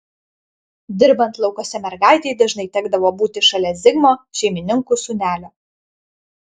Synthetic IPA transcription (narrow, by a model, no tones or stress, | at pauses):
d̪ʲɪɾbɐnt̪lˠɒʊkoːsʲɛmʲɛɾɡɑˑɪt̪ʲɛɪd̪ɐʒnɐɪt̪ʲæːɡd̪ɐʋoːbuːt̪ʲɪʃɐlʲɛzʲɪɡmoːʃʲɛɪmʲɪnʲɪŋkusʊnʲæːlʲoː